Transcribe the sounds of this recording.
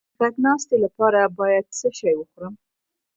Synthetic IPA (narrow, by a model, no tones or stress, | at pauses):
kaknɑst̪elapɑɾabɑjad̪̚səʃɑjwəxuɾəm